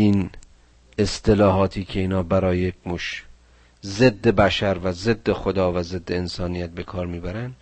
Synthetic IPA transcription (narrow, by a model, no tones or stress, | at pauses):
iːn | e̞st̪ʰe̞lɒːɦɒːt̪ʰiːcʰe̞iːnɒːbæɾɒːjejekmuʃ | zed̪ːe̞bæʃæɾvæzed̪ːexod̪ɒːvæzed̪ːeːnsɒːnijæt̪̚be̞kʰɒːɾmiːbæɾænd̪